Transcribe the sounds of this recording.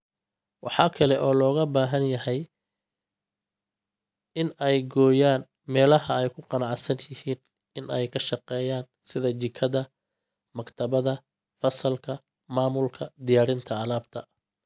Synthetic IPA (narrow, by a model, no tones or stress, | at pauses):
wɑħɑːkʰɐlɛʔɔːlɔːɣɐbaːɦɐnjɐɦɛj | ɪnɛjɡɔːjaːn | mɛːlɐɦɐɛjkʰʊqɑnɑʕsɐnjɪhiːn | ɪnɛjkʰɐʃɑqɛːjaːn | sɪðɐd͡ʒɪkʰɐðɐ | mɐkt̪ʰɐβɐðɐ | fɐsɐlkʰɐ | maːmʊlkʰɐd̪ɪjaːɾɪnt̪ʰɐːlaːb̚t̪ʰɐ